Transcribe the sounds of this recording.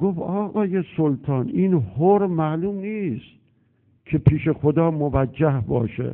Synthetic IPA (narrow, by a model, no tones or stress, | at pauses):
ɡ̥ofɒːɣɒːjesolt̪ʰɒːniːnhoɾmæːluːmniːst̪ | kʰepʰiːʃe̞xod̪ɒːmovæd͡ʒːæhbɒ̰ːʃḛ